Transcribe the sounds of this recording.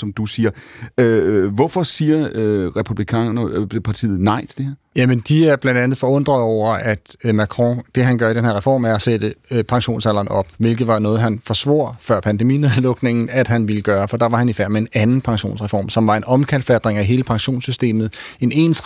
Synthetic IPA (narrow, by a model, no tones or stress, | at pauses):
sɒ̽md̥usiːɐ | ʋɒfɒ̽siːɐʁɛpʰub̥likʰɛ̰nɐpʰɑ̈t͡sʰḭːð̩ˠnɑ̈ɪt͡sʰed̥eeɐjæmənd̥iæɐb̥lænd̥ænð̩ˠfɒ̽ɔ̽n̰d̥ʁɐð̩ˠɒʊ̰ɐʔæd̥mækʰʁɔ̃d̥e̝ɦænɡ̥ɶɐidenheɐʁɛfɒ̰ːmæɐɒsed̥əpʰɑ̈ŋɕo̝̰ːnsælɐːnɒ̽b̥ʋe̝lɡ̥ð̞̩ˠʋɑ̈nɔ̽ːð̞̩ˠɦænfɒ̽sʋo̝̰ɐ̰fɶɐ̰pʰænde̝mḭːne̝ðˠlɔ̽ɡ̥ne̝ŋn̩æd̥ɦænʋiləɡ̥ɶːɐfɒ̽d̥ɑ̈ʋɑ̈hænifæɐ̰mee̝nænn̩pʰɑ̈ŋɕo̝̰ːnsʁɛfɒ̰ːmsɒ̽mʋɑ̈e̝nɒ̽mkʰæl̰d̥fæd̥ʁeŋæɦe̝ːləpʰɑ̈ŋɕo̝̰ːnsysd̥e̝̰ːmð̩ˠ | e̝ne̝ːns